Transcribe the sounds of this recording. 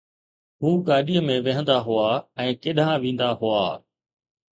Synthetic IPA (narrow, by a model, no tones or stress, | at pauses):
ɦuːɡaːɗiːəmẽʋɐɦə̃nd̪aɦʊaːɛ̃ːkɪɗãːʋĩːn̆d̪aɦʊaː